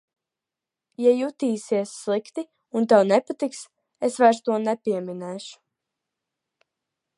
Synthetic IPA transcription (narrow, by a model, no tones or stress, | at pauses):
jajut̪iːsiɛsːlˠikt̪i | unt̪ɛwnɛpat̪iks | esvajɾst̪uɔnɛpiɛminɛːʃu̥